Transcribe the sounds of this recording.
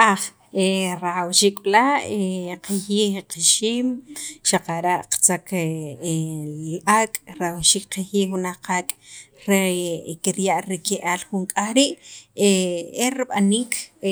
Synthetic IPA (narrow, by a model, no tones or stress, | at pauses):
aχ | eɾaχawʃiːkʼɓlaeqaxiqiʃiːmʃaqaɾaʔqḁt͡sakʰe | liʔakʼɾaawʃiːk̚qaxiwunahqʰakʼ | ɾekiɾjaʔɾikeʔaːlxuŋkʼaχɾiʔeeɾiɓaniːkʰ